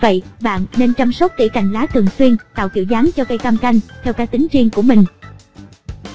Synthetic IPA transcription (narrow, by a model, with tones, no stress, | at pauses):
və̰˧˨jɓa̰ː˧˨nːe˧nt͡ɕa˧msə˦˥k͡p̚t̪ḭ˧˩ka˨˩jŋ̟laː˨˦t̪ʰɨ˨˩əŋswi˧ənt̪a̰ː˧˨wkḭ˧˩əwzaː˨˦ŋt͡ɕɔ˧ka˧jk̪a˧mka˧jŋ̟t̪ʰɛ˧wkaː˦˥k̚t̪ï˨˦ŋ̟t͡ɕi˧əŋku˧˩əmï˨˩ŋ̟